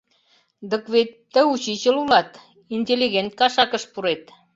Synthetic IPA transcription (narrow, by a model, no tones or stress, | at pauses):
d̪ə̆kβet̪ːə̆ut͡ɕit͡ɕə̆lulɑt̪ | inʲtʲelʲːiɣent̪̚kɑʃɑkə̆ʃpuɾet̪